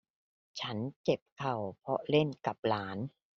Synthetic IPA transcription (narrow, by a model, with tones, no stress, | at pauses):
t͡ɕʰa˦˥nt͡ɕe˨˩p̚kʰa˨˩wpʰɔ˦˥le˥˩nka˨˩p̚laː˩˦n